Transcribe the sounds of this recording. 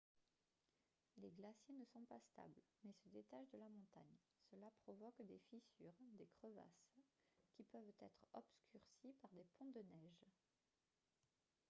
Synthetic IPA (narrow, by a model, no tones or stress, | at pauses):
leɡlasjenəsɔ̃past̪a̰blmɛsəd̪et̪aʃd̪əlamɔ̃t̪a̰ɲ | səlapχɔvɔkd̪efisyːʁd̪ekχəva̰skʲipœvt̪ɛt̪χɔpskʲyʁsipaʁd̪epɔ̃d̪ənɛʒ